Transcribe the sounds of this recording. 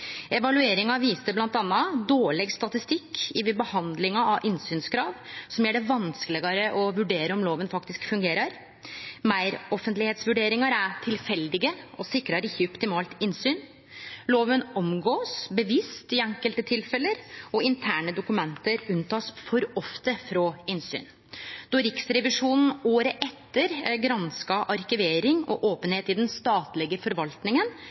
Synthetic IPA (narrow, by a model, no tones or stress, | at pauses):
ɛʋɑlʉeːɾɪŋɑʋiːst̪əblɑnt̪ɑnːɑd̪oːɭɛɡst̪ɑt̪ɪst̪ɪkːɪʋɛbəhɑnd̪lɪŋɑɑʔɪnsyːnskʰɾɑːʋsɔmjæːɖɛʋɑnskəlɪɡɑɾəʔɔʋʉɖeːɾəɔmloːʋənfɑkt̪ɪskfʉŋɡeːɾɑɾ | mæɪɾɔfənt̪lɪheːt̪sʋʉɖeːɾɪŋɑɾæʈʰɪlfɛld̪ɪɡəɔsɪkɾɑɾɪçːəɔpt̪ɪmɑːlt̪ɪnsyːn | loːʋənɔmɡoːsbəʋɪst̪ɪɛŋkəlt̪ət̪ʰɪlfɛləɾɔɪnt̪ʰæːɳəd̪ʊkʉmɛnt̪əɾʉnt̪ʰɑːsfɔɾɔft̪əfɾɔɪnsy̰ːn | d̪̥ɔɾɪksɾɛʋɪʂuːnn̩oːɾəʔɛt̪ːəɾɡɾɑnskɑʔɑɾkɪʋeːɾɪŋɔ̰ʔoːpənheːt̪ɪd̪ɛnst̪ɑːt̪lɪɡəfɔɾʋɑlt̪nɪŋən